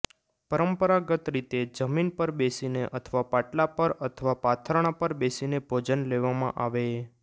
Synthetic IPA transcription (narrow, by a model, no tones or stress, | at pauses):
pəɾəmpəɾaɡət̪ɾit̪ed͡ʒəminpəɾbesineʔət̪ʰʋapaʈlapəɾət̪ʰəʋapat̪ʰəɾɳ̃apəɾbesinebʱod͡ʒənleʋamã̰ʔaʋe